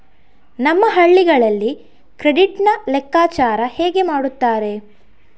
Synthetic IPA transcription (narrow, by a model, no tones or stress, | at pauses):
nɐmːɐɦɐɭːiɡɐɭɐlːi | kɾeɖiʈnɐlɛkːaːt͡ʃaːɾɐheːɡe̞maːɽut̪ːaːɾe̞